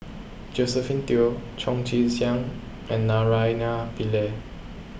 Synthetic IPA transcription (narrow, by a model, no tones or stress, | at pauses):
d͡ʒosɛfint̪iot͡ʃʰɔ̃ŋt͡ʃisjaŋ | ɛ̃nːaɹajnapile